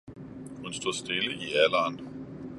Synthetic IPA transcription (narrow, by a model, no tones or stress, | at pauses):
hunsd̥o̝̰sd̥e̝ləʔiælɐːn